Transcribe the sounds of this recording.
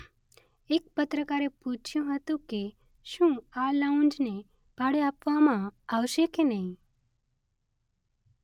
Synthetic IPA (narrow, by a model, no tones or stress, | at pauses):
ek̚pət̪ɾəkaɾeput͡ʃʰjũɦət̪ũke | ʃũalaũnd͡ʒne | b̥ʱaɽeapʋamãaʋʃekenəɦĩ